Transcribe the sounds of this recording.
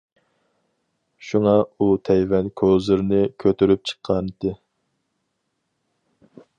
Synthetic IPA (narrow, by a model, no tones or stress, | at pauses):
ʃuŋɑut̪ʰɛjvɛnkʲʰozɨɾnɪkʲʰøt̪ʰyɾyp̚t͡ʃʰə̥qʰːɑnɨt̪ɨ